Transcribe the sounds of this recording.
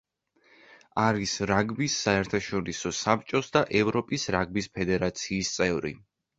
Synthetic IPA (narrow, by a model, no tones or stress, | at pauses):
aɾisɾaɡbisːaɛɾt̪ʰaʃɔɾisɔsap̚t͡ʃʼɔsd̪aʔɛvɾɔpʼisɾaɡbispʰɛd̪ɛɾat̪sʰiːst̪sʼɛvɾḭ